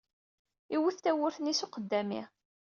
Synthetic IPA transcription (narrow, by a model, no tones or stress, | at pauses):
iwuθt̪æwʊɾθnisuqəd̪ːæmḭ